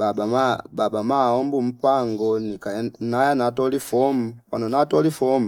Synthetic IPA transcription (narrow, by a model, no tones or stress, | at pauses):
babamababamaɔmbum̩paŋɡɔnikanajanatɔlifɔmpanɔnatɔlifɔm